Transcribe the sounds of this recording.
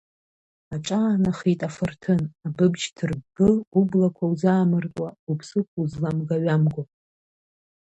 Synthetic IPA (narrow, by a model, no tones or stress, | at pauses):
aʈ͡ʂʼaːnaχitʼafɨrtʰɨnabɨbd͡ʒtʰɨrbɨublakʷʰauzaːmɨrt͡sʼwaupʰsɨkʷʰuzlamɡaɥamɡo